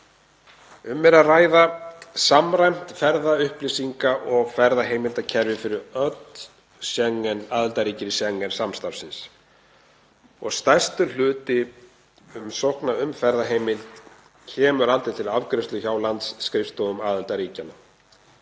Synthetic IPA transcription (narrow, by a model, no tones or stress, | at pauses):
ʏmːɛɾaðraːjðasamrajm̥t̪fɛɾðaʏhplisiŋkaʔɔɣfɛɾðaɦeːjmɪlt̪acʰɛɾvɪfɪɾɪɾœt̪n | sɛŋːɛnaːðalt̪aɾiːcɪɾɪsɛŋːɛnsamst̪afsɪns | ɔ̰ɣst̪aj̥st̪ʏl̥ʏːt̪ɪ | ʏmsɔhknaʏmfɛɾðaɦeːjmɪlt̪ | cʰɛːmʏɾalt̪ɪ̥t̪ʰɪlavkɾɪst̪lʏçaːwlant̪sːkɾɪfst̪oɣʏmaːðɪlt̪aɾiːcana